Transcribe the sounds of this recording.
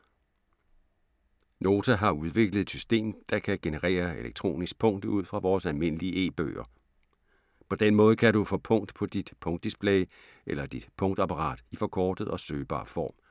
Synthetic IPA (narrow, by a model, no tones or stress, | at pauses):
no̝ːt͡sʰæɦɑ̈uð̞ˠʋe̝ɡ̥ləð̩ˠe̥sy̥sd̥e̝̰ːmd̥ɑ̈kʰæɡ̥e̝nəʁḛːɐeleɡ̥̚t͡sʰʁo̝̰ːnisɡ̥̚pʰɔ̽ŋ̰d̥uð̞̰ˠfʁɑ̈ʋɒːsælme̝n̰əliəʔe̝̰ːb̥ø̰ːɐ | pʰɒ̽d̥enmɔ̽ːðˠəkʰæɾufɔ̽ːpʰɔ̽ŋ̰d̥pʰɒ̽d̥id̥pʰɔ̽ŋd̥isb̥ʰleɪ | ʔelɐd̥id̥pʰɔ̽ŋd̥ɑ̈pʰɑ̈ʁɑ̰̈ːd̥ifɒ̽kʰɒːd̥ð̩ˠɒ̽søːb̥ɑ̰̈ːfɒ̰ːm